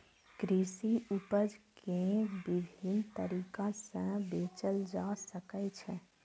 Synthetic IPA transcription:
kɾisiupəd͡ʒkẽbid̪ʱint̪əɾiːkãsə̃beːt͡ʃəld͡ʒasəkət͡ʃʰɛ̃

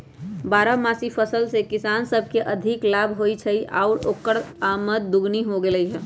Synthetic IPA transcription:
baːɾamaːsipʰəsəlsekɪsaːnsəbʱkeʔɐd̪ʱɪklaːbɦoːit͡ʃʰəiʔa̰ʊɾoːkːəɽaːmət̪̚d̪ʊɡniɦoɡeləiɦɛː

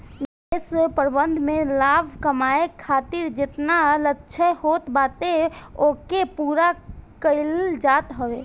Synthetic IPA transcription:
l | espəɾbə̃nd̪ʱmẽlaːbʱkəmaːekʰaːt̪iɾd͡ʒɪt̪nalətːʃʰəhoːt̪baːt̪eoːkepuːɾakəɪld͡ʒaːt̪ɦəʋeː

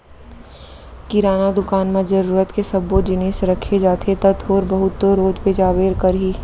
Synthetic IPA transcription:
kɪɾaːnad̪ʊkaːnmãd͡ʒɐɾuːɾət̪kesɐbːod͡ʒɪneːsɾɐkʰed͡ʒaːt̪ʰet̪ɐt̪ʰoːɾbɐɦʊt̪ːoɾoːd͡ʒped͡ʒaːʋeːɾkɐɾɦiː

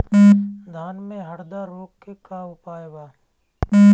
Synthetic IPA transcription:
d̪ʱaːnmẽɦəɾd̪aɾoːkːekaʊpaːebaː

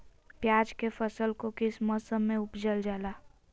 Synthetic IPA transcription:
pjaːd͡ʒkefəsəlkokɪsməsəmːẽʊpd͡ʒəld͡ʒaːlaː

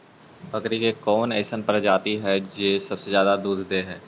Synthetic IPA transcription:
bɐkɾikekɔːnɛːɪsənpəɾd͡ʒaːt̪iɦɛd͡ʒeːsɐbsezjaːd̪ad̪uːd̪ʱd̪eːɦɛː

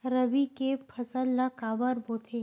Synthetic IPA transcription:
ɾɐbikepʰɐsəlːakaːbəɾboːt̪ʰe

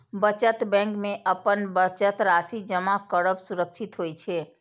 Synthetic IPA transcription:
bət͡ʃət̪bɛ̃ŋkmeʔəpənbət͡ʃət̪ɾasid͡ʒəmakəɾəbsuɾəkʃʰit̪ɦojt͡ʃʰɛ

